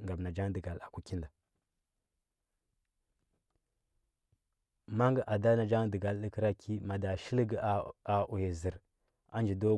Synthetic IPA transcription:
ŋɡa˨bna˨d͡ʒa˦ŋ˦də˨ɡa˨la˨ku˦ki˦nda˨ | ma˦ŋɡə˨ʔa˨da˦na˨d͡ʒa˦ŋdə˨ɡa˨lɗə˦kə˦ɾa˦ki˦ma˨da˨ʃi˦lɡa˨ʔu˨je˨zi˨ɾ | a˦nd͡ʒi˨do˦

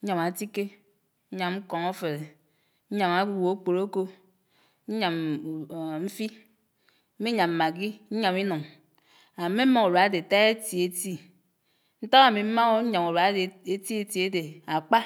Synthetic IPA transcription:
ɲ̩˦ɲa˨ma˨ti˦ke˦ | n̩˦ɲa˨mŋ͡m̩˦kɔ˨ŋo˦fe˨ɾe˨ | ɲ̩˦ɲa˨ma˨˦wo˨o˦k͡po˨ɾo˦ko˦ | ɲ̩˦ɲa˨m˨ | m̩˦fi˦ | m̩˦mi˦ɲa˨m̩˨a˨ɡi˦ɲ̩˦ɲa˨mi˦no˨ŋ | a˨me˦m̩˦mo˦ŋo˨ɾa˨a˦de˨ta˦e˦ti˨e˦ti˦ | n̩˦ta˦ɣa˦˨mi˨m̩˦ma˦o˦ɲa˨mo˨ɾa˨˦e˨e˦ti˦e˦ti˨˦e˦de˨a˨k͡pa˦

